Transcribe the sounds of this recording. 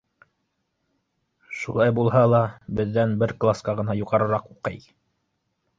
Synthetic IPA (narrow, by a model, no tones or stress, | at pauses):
ʃṵlˠɑjbulˠɦɑlˠɑbɘ̆ðːænbɘɾklˠaskɑʁɤ̆nɑjuʁɑɾɤ̆ɾɑquqɤ̰j